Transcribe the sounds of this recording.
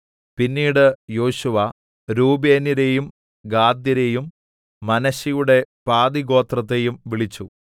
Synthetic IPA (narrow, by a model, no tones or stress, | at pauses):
pinːiːɽɨjo̞ːɕuʋɐ | ɾuːbeːniɾejum | ɡaːd̪jɐɾe̞jumː | ɐnɐɕijuɽe̞paːd̪iɣo̞ːt̪rɐt̪̬ːe̞jumʋiɭit͡ɕːu